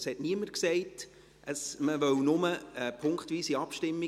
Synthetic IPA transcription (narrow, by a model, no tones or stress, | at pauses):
shɛtniəmərksɛɪt | əsməʋœwnʊməəpʰʊŋkχtʋiːsiɑpʃtɪmːi